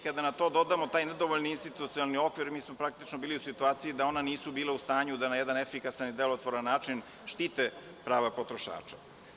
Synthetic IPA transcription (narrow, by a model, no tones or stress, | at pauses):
kad̪anat̪o̞ːd̪o̞d̪amo̞t̪aːjned̪o̞ʋoʎniːnst̪it̪ut̪ioalˠnio̞kʋiɾmiːsmopɾak̚t̪it͡ʃnobiːliusit̪uaːt̪sijid̪ao̞naniːsubiːlaust̪aːɲud̪anajed̪anefikasanid̪elot̪ʋoɾanːaːt͡ʃin | ʃt̪iːt̪e | pɾaːʋapot̪ɾo̞ʃa̰ːt͡ʃḁ̰